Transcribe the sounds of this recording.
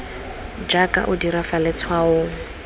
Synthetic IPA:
d͡ʒakʼa̰ʔʊdiɾafalɛt͡sʰwaʊ

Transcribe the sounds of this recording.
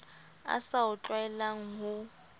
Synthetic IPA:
a̰saʊt͡ɬʼwaɛlaŋ̩ɦʊ

